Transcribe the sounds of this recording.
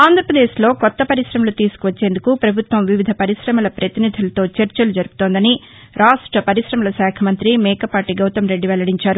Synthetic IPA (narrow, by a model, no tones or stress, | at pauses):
aːnd̪ʱɾɐpɾɐd̪eːʃlo̞ːkɔt̪ːɐpɐɾiʃɾɐmɐlut̪iːsu̥kuʋɐt͡ʃːe̞ːnd̪ukupɾɐbʱut̪ʋɐmʋiʋid̪ʱɐpɐɾiʃɾɐmɐlɐpɾɐt̪inid̪ʱulɐt̪o̞ːt͡ʃɐɾt͡ʃɐlud͡ʒɐɾupu̥t̪oːnd̪ɐni | ɾaːʂʈɾɐpɐɾiʃɾɐmɐlɐsaːkʰɐmɐnt̪ɾimɛːkɐpaːʈiɡɐwt̪ɐmɾe̞ɖːiʋɛlɐɽiɲt͡ʃaːɾu